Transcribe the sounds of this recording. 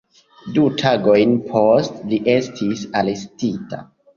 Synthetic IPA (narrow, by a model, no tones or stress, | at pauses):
dutʰaɡo̞jnpʰostliʔe̞stʰisalestita̰